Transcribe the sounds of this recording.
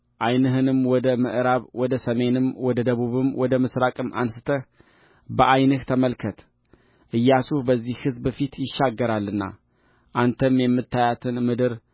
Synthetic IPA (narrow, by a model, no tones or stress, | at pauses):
ʔajnɨɦɨnɨmwɔd̪əmɨ̰ʔɾaβwɔd̪əsəme̞nɨmwɔd̪əd̪əβuβɨmwɔd̪əmɨsɾakʼɨmʔa̰nsɨ̥t̪ʰə | bəʔajnɨht̪ʰəməlkʰət̪ | ʔɨjːasuhbəzːihhɨzbfit̪jɪʃːaɡːəɾalːɨnːa̰ | ʔant̪ʰəmjɛmːɨt̪ʰːajat̪ʰɨnmɨd̪ɨɾ